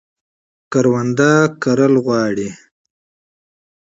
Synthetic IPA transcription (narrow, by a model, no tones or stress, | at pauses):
kaɾwand̪akaɾəlɣwɑːɽi